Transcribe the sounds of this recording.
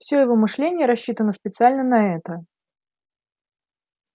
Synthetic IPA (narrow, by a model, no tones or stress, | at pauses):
fsʲojɪvomɨʂlʲenʲɪjəɾɐɕːit̪ənəspʲɪt̪sɨalʲnənɐɛt̪ə